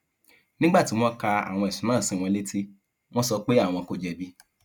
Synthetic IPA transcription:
nĩ˦ɡ͡ba˦˨ti˨˦w̃ɔ̃˦ka˧a̰˨w̃ɔ̃˧ɛ˨ʃũ˨˦mãː˦˨sĩ˨˦˨w̃ɔ̃˧le˦tʰe˦ | w̃ɔ̃˦sɔ˧k͡pe˦a˦˨w̃ɔ̃˧ko˨d͡ʒɛ˧bi˦

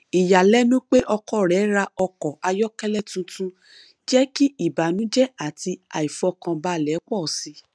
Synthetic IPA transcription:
i˨ja˨lɛ˨˦nũ˦k͡pe˦ʔɔ˧kɔ˦˨ɾɛ˨˦ɾa˧ɔ˧kɔ˨a˧jɔ˦kɛ˦lɛ˦˨tũ˧tũ˧ | d͡ʒɛ˦ki˦i˦˨ba˨nũ˦d͡ʒɛ˦a˨ti˧a̰˨i˨fɔ˧kã˧ba˧˦˨lɛ˨˦k͡pɔ˦˨si˧˦

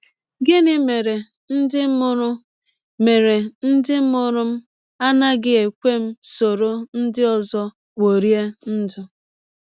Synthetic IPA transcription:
ɡɪ˦nɪ˦me˨ɾe˨ | n̩˦dɪ˦ʊ˦ɾʊ˦ | me˨ɾe˨n̩˦dɪ˦m̩˦ʊ˦ɾʊ˦m̩˦ | a˦na˦ɡɪ˦e˨kʷe˦m̩˦so˨ɾo˦n̩˦dɪ˦ɔ˨zɔ˦ | wo˨ɾi˦e˦n̩˦d͡ʒɔ˨

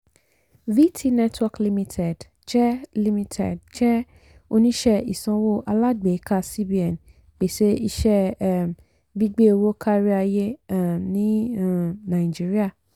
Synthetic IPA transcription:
vi˦tʰi˦nɛ˦twɔ˧kli˧mĩ˧tʰɛ˨d | d͡ʒɛ˦li˧mĩ˧tʰɛ̰˨dd͡ʒɛ˦ | o˧nĩ˦ʃɛ˦i˨sɔ̃˧wo˦ʔa˧la˦ɡ͡be˨˦ka˦˨si˦bi˨˦ɛ˨n | k͡pe˨ʃe˦i˧ʃɛ˦ | bi˦ɡ͡be˦o˧wo˦kʰa˦ɾi˦a˧je˦nĩ˦ | nã˨ĩ˨d͡ʒi˦ɾi˦a˦˨

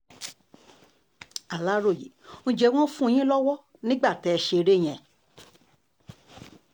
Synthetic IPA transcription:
a˨la˦ɾo˦˨jḛ˨˦nũ˧d͡ʒɛ˧w̃ɔ̃˦fũ˦˧˨j̃ĩ˦lɔ˦wɔ˦ | nĩ˦ɡ͡ba˦˨tɛ˨˧ɛ˧ʃe˧ɾe˦˨j̃ɛ̃˨

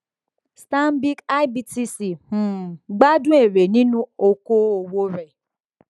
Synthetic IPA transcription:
sta˦m˦bi˦ka˦jbi˧ti˦si˨ũ˨ɡ͡ba˦dũ˦e˦˨ɾe˨nĩ˦nũ˦o˧ko˦o˧wo˦ɾɛ˨

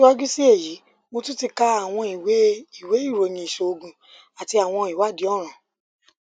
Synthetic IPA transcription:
a˦d͡ʒu˦si˦e˦˨ji˨˦ | mo˧tu˦ti˧ka˧a˦˨w̃ɔ̃˧i˨we˨˦i˦˨we˨˦i˦˨ɾo˨˧nĩ˧i˨ʃo˧o˧ɡũ˧ | a˨ti˧a˨w̃ɔ̃˧i˨wa˨˦˨di˨˦ɔ˦˨ɾ̃ã˨

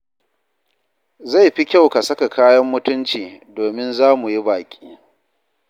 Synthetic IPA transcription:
za˦˨jɸi˦kʲa˦wka˨sɐ˦ka˨kʰaː˦jɐ˦mːʊ˦tʊ˦nt͡ʃiː˨doː˨mɪ˦nzaː˦mu˨ji˦baː˨kʲʼiː˦

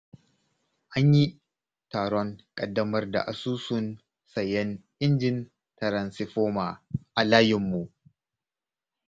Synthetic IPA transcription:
ʔa˦ɲji˦ | taː˨ɽɔ˦ŋkʼɐ˨dːɐ˦mɐ˦rda̰˨ʔa˨suː˦sʊ˦n | sɐ˨jɛ˦nʔɪ˦nd͡ʒɪ˦n | tɐ˨ɾɐ˨nsɪ˨ɸoː˦ma˨ʔa˨laː˦jɪ˨mːu˨ʔ

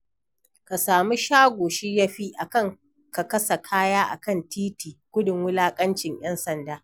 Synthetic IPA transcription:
ka˨saː˨mi˦ʃaː˦ɡʷoː˨ʃiː˦ja˦ɸi˦ʔa˨kɐ˦ŋ | ka˨kɐ˦sa˨kʰaː˦jaː˦ʔa̰˨kɐ˦˨ntiː˦tiː˨ɡʷʊ˦dɪ˨ŋwʊ˦laː˦kʼɐ˦nt͡ʃɪ˨ɲj̰ɐ˦nsɐ˨ndaː˦

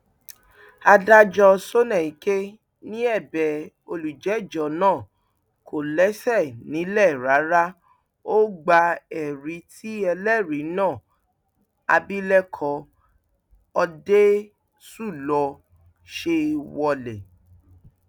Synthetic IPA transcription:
a˧da˦d͡ʒɔ˧so˦nɛ̃˦˨i˨ke˦ | nĩ˦ɛ˦˨bɛ˨ | o˧lu˨d͡ʒɛ˨˦˨d͡ʒɔ˨nãː˦˨ | kʰo˨lɛ˨˦sɛ˦˨nĩ˨˦lɛ˦˨ɾa˨˦ɾa˦ | o˦ɡ͡ba˧ɛ˨ɾi˧˦ti˦ɛ˧lɛ˦˨ɾi˨˦nãː˦˨ | a˧bi˦lɛ˦kʰɔ˧ | ɔ˧de˦ | su˦˨lɔ˧ | ʃe˧wɔ˧lɛ˨

